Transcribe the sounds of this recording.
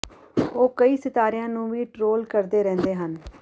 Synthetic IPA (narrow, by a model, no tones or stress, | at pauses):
oːkəiːsɪt̪aːɾɪjãːnũːʋiːʈɾoːlkəɾd̪eːɾɛ̃ːnd̪eːɦən